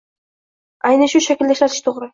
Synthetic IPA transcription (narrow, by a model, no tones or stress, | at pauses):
ɑjneʃuʃækʲild̪eʃɑt̪ʰɪ̥ʃt̪ʰoʁɾʊ